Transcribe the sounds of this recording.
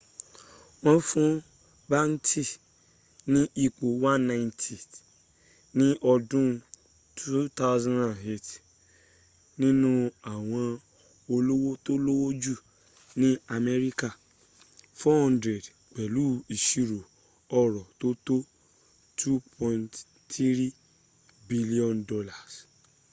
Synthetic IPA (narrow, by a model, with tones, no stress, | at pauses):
wã˦fũ˦ | ba˦n̩˦tʰi˦ | nĩ˦ʔi˨ku˨wã˦nːã˦jntʰi˨ | nɪ̃˦ʔɔ˧dũ˦ | tʰu˦ta˦wzã˦na˨ɦe˦t | nĩ˦nũ˦a˨w̃ã˨ | o˧lo˦wo˦to˦lo˦wo˦d͡ʒu˦˨ | nĩ˦a˧mɛ˦ɾi˦ka˦˨ | fɔ˦hã˦ndɾɛ˨d | k͡pɛ˨lu˦i˨ʃi˨ɾo˨ | ɔ˨ɾɔ˨to˦to˦ | tʰu˦pʰɔ̃˧nt | ti˦ɾi˦ | bi˦li˦ɔ̃˦˨ndɔ˧la˨s